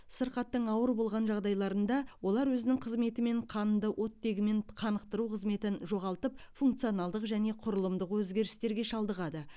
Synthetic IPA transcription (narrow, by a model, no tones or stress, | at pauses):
səɾqɑt̪ːəɴɑwəɾbo̞lˠʁɑnʒɑʁd̪ɑjlˠɑɾənd̪ɑwo̞lˠɑɾwɵzɪnɪŋqʰəzme̞t̪ɪme̞ɴqʰɑnd̪əwʔo̞t̪ːe̞ɡʲɪme̞ɴqʰɑnəqt̪əɾuqʰəzme̞t̪ɪnʒo̞ʁɑlˠt̪əp̚fuŋkt̪sijonɑlˠd̪əqʒæne̞qʰʊɾəlˠəmd̪əqwɵzɡʲe̞ɾɪst̪e̞ɾɡʲe̞ʃɑlˠd̪əʁɑd̪ə